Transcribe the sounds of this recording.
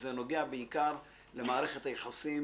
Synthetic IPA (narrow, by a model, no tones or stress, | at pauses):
zeno̞ɡeabeikaʁ | le̞maːʁe̞χethajeχasi